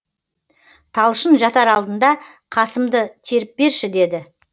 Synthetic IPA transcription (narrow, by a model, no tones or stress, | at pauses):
t̪ʰɑlˠʃənʒɑt̪ɑɾɑlˠd̪ənd̪ɑ | qʰɑsəmd̪ət̪ʰe̞ɾɪp̚be̞ɾʃɪd̪e̞d̪ɪ